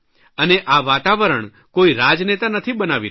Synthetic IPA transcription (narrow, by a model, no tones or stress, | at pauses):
əneʔaʋat̪aʋəɾəɳ | koiɾad͡ʒnet̪anət̪ʰibənaʋi